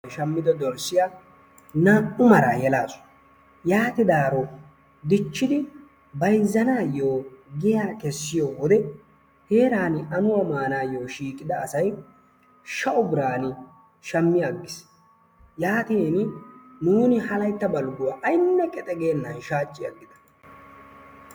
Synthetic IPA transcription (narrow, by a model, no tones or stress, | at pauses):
ʃɐmːɪd̪ɐd̪ɔɾsɪja | naʔʊmɐɾaːjɛlaːsʊ̥ | jaːt̪ɪd̪aːɾɔ | d̪ɪt͡ʃːɪd̪ɪ | bɐjzːɐnaːjoːɡɪjaːkɛsːɪjoːwɔd̪ɛ | he̞ːɾaːnɪʔɐnʊwamaːnaːjo̞ːʃiːkʼɪd̪ɐːsɐj | ʃɐʔʊbɪɾaːnɪ | ʃɐmːɪjɐɡːɪs | jaːt̪innuːnɪhɐlɐjt̪ːɐbɐlɡʊwaʔɐjnːɐkʼɛt̪ʼɛɡe̞ːnːɐnʃaːt͡ʃʼːɪjɐ̰ɡːɪd̪ɐ̥